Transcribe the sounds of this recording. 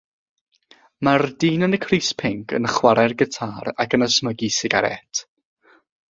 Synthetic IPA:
mardiːnənəkʰriːspʰɪŋkʰə̰nəχwaɾarɡətʰaːɾa̰kənəsməɡisɪɡaɾɛ̰tʰ

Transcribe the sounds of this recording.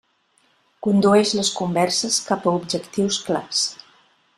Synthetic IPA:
kund̪uɛʃləskumbɛɾsəskapəub̚d͡ʒəkt̪iwskla̰s

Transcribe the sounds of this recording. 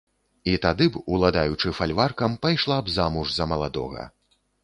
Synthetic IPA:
it̪ad̪ɨbulˠad̪ajut͡ʂɨfalʲvarkɐmpajʂlˠabzamuʐzɐmɐlˠad̪ɔ̰ɣɐ̰

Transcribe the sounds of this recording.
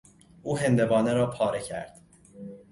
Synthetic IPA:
ʔuːɦe̞nd̪e̞bɒːneɾɒːpʰɒːɾecʰæ̰ɾd̪̥

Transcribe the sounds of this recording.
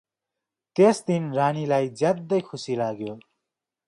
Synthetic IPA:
t̪esd̪inranilajd͡zjad̪ːʌjkʰusilaɡjo

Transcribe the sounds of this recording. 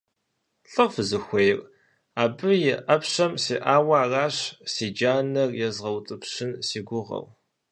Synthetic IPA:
ɬʼɨʁfɨzɨxʷejr | aːbɨjɪʔɐpɕɐmsiːʔaːwaːraːɕsiːd͡ʒaːnɐrjɛzʁɐwtʼɨpɕɪnsiːɡʷʊʁɐ̰w

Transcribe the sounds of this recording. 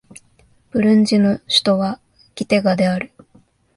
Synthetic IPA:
b̥ɯ̟ɾɯ̟̃ɲ̟d͡ʑinoɕi̥t̪o̞βa | ɡʲit̪e̞ɡad̪e̞aɾɯ̟

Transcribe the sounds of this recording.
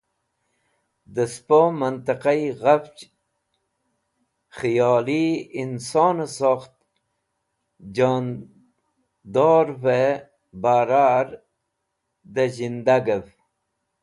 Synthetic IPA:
d̪əspomənt̪əqaiɣaft͡ʃ | χijɑːliinsoːnsoxt̪̚ | n | d̪oːɾve | baːɾaːɾ | d̪əzind̪aɡəv

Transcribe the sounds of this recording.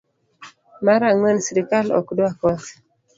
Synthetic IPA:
maɾaŋwɛnsiɾikalɔ̰kdwakɔt

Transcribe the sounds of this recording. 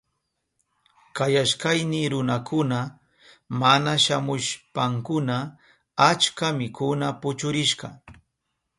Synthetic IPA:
kajaʃkajnɪɾʊnakʰʊna | manaʃamʊʃpaŋkʊna | at͡ʃkamɪkʰʊnapʊt͡ʃʊɾɪʃɢɑ̰

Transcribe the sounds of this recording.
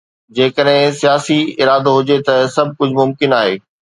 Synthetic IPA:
d͡ʑeːkəɗɦɪ̃sijaːsiɪɾaːd̪oɦʊd͡ʑet̪ɐsɐb̚ʱkʊd͡ʑʱmʊmkɪnaːɦeː

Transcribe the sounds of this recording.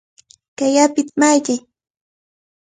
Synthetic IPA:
kajapɪt̪̚majkɪ

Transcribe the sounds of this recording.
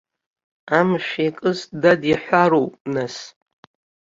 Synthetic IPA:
amʃʷᶣakʼɨsdadiħʷaɾowpʼnas

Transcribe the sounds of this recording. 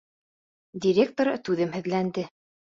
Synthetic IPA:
dʲiɾʲek̚t̪oɾɤt̪ʉðɘmhɘ̆ðlænd̪ɘ

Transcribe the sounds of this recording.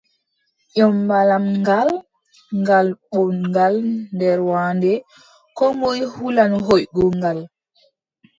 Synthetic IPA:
ʔɔmːalamŋɡal | ŋɡalɓɔwnŋɡalndɛɾwaːndɛ | kɔmojhulanɦojɡɔŋɡal

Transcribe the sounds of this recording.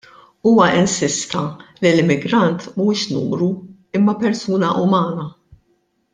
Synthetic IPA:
uːwɐʔɪnsɪst̪ɐlilɪmːɪɡɾɐnt̪muːʃnṵːmɾu | ɪmːɐpɛɾsuːnɐʔʊmɐːnɐ

